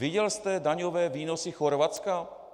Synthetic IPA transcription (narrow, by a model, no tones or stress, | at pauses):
vɪɟɛlst̪ɛdaɲovɛːviːnosɪxoɾvat̪t͡ska